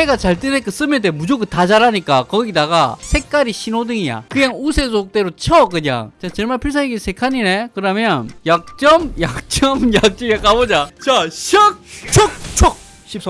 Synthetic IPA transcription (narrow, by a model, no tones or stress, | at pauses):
eɡat͡ɕaɭt͈ɯɾek͈ɯs͈ɯmjedemud͡ʑoɡɯtad͡ʑaɾaɲik͈akʌɡidaɡasʰe̞k̚k͈aɾiɕʰinodɯŋija̰kɯɲaŋusʰe̞sʰok̚t͈e̞ɾot͡ɕʰʌkɯɲa̰ŋt͡ɕat͡ɕeɭmaɭpʰiɭs̬ʰaeɡisʰe̞kʰaɲine̞kɯɾʌmjʌnjak̚t͡ɕ͈ʌmjak̚t͡ɕ͈ʌmjak̚t͡ɕ͈iɡak͈abod͡ʑat͡ɕaɕʰʌk̚t͡ɕʰok̚t͡ɕʰok̚ | ɕʰip̚s